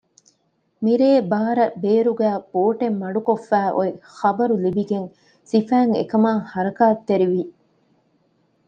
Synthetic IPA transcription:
miɾeːbaːɾɐbeːɾuɡæːpoːʈemːɐɖukofːæːʔo̰exɐbɐɾulibiɡeŋ | sifæːŋḛkɐmaːŋhɐɾɐkaːt̪ːeɾiʋi

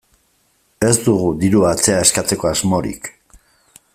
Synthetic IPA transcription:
e̞zd̪uɣ̞ud̪iɾuat͡se̞ae̞skat͡se̞ko̞azmo̞ɾḭk

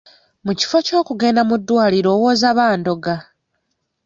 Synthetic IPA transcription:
muci̥fo̞co̞ːkuɡe̞ːndamudːwaːliɾo̞ːwo̞ːzaβaːndo̞ɡa

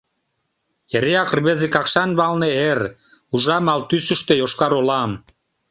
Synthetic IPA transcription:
jeɾeɑkrβezekɑkʃɑnβɑlneer | uʒɑmɑlt̪ysə̆ʃt̪ejoʃkɑɾolɑm

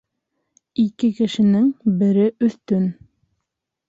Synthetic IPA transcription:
ikɘkɘ̆ʃɘ̆nɘŋbɘ̆ɾɘʔɵ̆θt̪ɵn

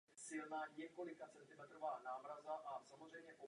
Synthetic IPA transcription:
sɪlnaːɲɛko̞lɪkat͡sɛnt̪ɪmɛt̪ɾovaːnaːmɾazaʔasamozrɛjmɲɛʔo

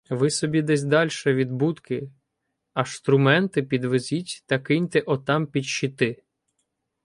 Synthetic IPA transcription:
ʋɪsɔbʲid̪ɛsʲd̪ɑlʲʃɛʋʲid̪but̪kɪ | ɐʃt̪ɾʊmɛnt̪ɪpʲid̪ʋezʲitʲt̪ɐkɪnʲt̪ɛʔɔt̪ɑmpʲid̪ʃɪt̪ɪ

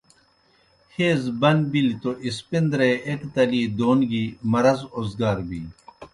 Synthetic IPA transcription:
heːzbɐnbilit̪oʔispind̪ɾeekt̪ɐliːd̪oːnɡiːmɐɾɐzoːzɡaːɾbḭː

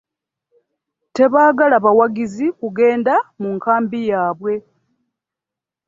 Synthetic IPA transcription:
te̞βaːɡalaβawaɡizikuɡe̞ːndamuŋkaːmbijaːβwe̞

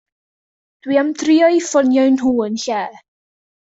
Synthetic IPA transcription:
d̥wiamdriɔifɔnjɔjnɦuːənɬɛː

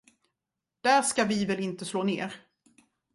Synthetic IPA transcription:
d̪̥æʂkavɪvɛlɪnt̪əsloːnḛːɾ

